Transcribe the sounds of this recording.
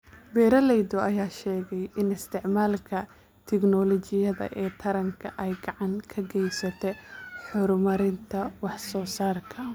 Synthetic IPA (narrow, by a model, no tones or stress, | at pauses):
bɛːɾɐlɛjd̪ɔʔɐjaːʃɛːɣɛjɪnɪst̪ʰɪʕmaːlkʰɐ | t̪ʰɪknɔlɔt͡ʃɪjɐðɐ̰ʔɛːt̪ʰɐɾɐŋkʰɐʔɛjɡɑʕɑŋkʰɐɡɛjsɐt̪ʰɛħʊɾmɐɾɪnt̪ʰɐwɑħsɔːsaːrkʰɐ